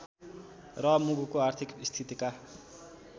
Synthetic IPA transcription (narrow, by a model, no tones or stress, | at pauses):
rʌmuɡukoart̪ʰikist̪ʰit̪ika